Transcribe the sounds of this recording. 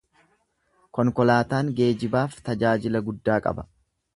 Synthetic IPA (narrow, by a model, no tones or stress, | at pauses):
kɔŋkɔlaːt̪aːŋɡe̞ːd͡ʒɪbaːft̪ɐd͡ʒaːd͡ʒɪlɐɡʊd̪ːaːkʼɐ̰bɐ̥